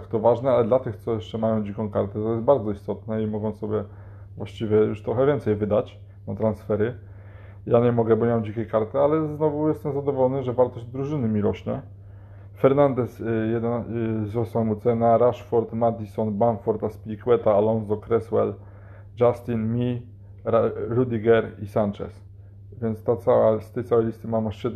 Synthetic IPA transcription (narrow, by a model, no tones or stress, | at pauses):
kt̪ɔvaʐnɛalɛd̪lat̪ɘxt̪sɔjɛʂt͡ʂɛmajɔ̃w̃d͡ʑikɔ̃w̃kaɾt̪ɛt̪ɔjɛst̪̚baɾd̪zɔist̪ɔt̪nɛimɔɡɔ̃sɔbʲjɛ | vwaɕt͡ɕivʲjɛjuʂt̪ɾɔxɛvʲjɛnt̪sɛjvɘd̪at͡ɕ | nat̪ɾansfɛɾɘ | jaɲɛmɔɡɛbɔɲɛmad͡ʑikʲɛjkaɾt̪ɘalɛznɔvujɛst̪ɛmzad̪ɔvɔlɔnɘʐɛvaɾt̪ɔʑd̪ɾuʐɘnɘmʲiɾɔɕɲɛ̰ | fɛɾnand̪ɛsjɛd̪ɛnzɾɔswamut̪sɛnaɾaʂfɔɾt̪mad̪ʲisɔnbamkfɔɾt̪aspʲlʲikwɛt̪aːlɔnzɔkɾɛswɛ̰l | d͡ʒast̪ʲinmʲi | aɾud̪ʲiɡɛɾisant͡ʂɛ̰s | vʲjɛnt̪st̪at̪sawast̪ɛjt̪awɛjlʲist̪ɘmamaʂɛd̪